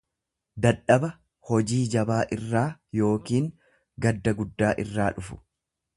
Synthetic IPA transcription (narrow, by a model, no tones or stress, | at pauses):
d̪ɐᶑːɐbɐ | hɔd͡ʒiːd͡ʒɐbaːʔɪrːaːjo̞ːkiːŋ | ɡɐd̪ːɐɡʊd̪ːaːʔɪrːaːᶑʊfʊ̥